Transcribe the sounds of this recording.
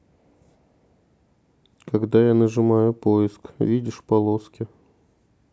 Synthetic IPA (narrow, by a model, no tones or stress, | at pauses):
kɐɡd̪ajanəʐɨmajʊpoɪskvʲidʲɪʂpɐlˠoskʲɪ